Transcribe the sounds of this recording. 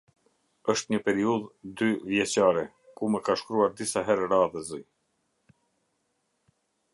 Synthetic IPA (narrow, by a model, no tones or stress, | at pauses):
əʃt̪ɲəpɛɾiuðd̪yvjɛt͡ɕaɾɛ | kumɛkaʃkɾuaɾd̪isaɦɛɾɛɾaðɛzi